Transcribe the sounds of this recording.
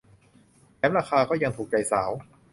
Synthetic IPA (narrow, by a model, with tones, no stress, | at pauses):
nɛː˦˥mɾaː˧xʰaː˧kɔː˥˩ja˧ŋt̪ʰuː˨˩k̚t͡ɕa˧˩jsaː˩˦w